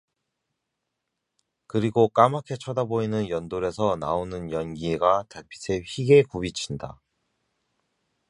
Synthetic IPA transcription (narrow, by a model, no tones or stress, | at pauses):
kɯɾiɡok͈amakʰe̞t͡ɕʰʌdaboinɯnjʌndoɾe̞sʰʌna̰onɯnjʌnɡiɡatapʰi̥sʰe̞ɸiɡe̞kubit͡ɕʰinda̰